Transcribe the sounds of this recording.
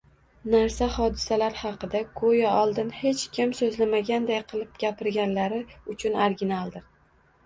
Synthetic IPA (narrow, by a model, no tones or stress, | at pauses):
naɾsahɒd̪ɪsalaɾhɑqɨd̪akʰojaɒlˠd̪ɪnhe̞t͡ʃkʲʰɪmsɵzlamaɡʲand̪ajqʰɨlˠɪp̚ɡʲapɪɾɡʲanlaɾɪʊt͡ʃʰʊnaɾɡʲɪnalˠd̪ɪ